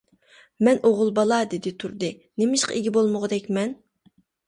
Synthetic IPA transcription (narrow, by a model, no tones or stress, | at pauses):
mɛnoʁʊlˠbɑlˠɑd̪ɪd̪ɪt̪ʰuɾd̪ɨ | nemɪʃqɑ̰iɡʲibolˠmʊʁəd̪ɛkʲmɛn